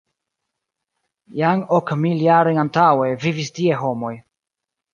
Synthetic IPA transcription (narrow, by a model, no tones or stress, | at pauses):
jaŋokmiljaɾojantawevivistieɦo̞mo̞j